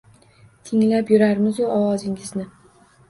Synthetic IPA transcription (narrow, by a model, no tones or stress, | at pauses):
t̪ʰɪŋlapjʊɾaɾmɪzjoɒwɒzɪŋɪznɪ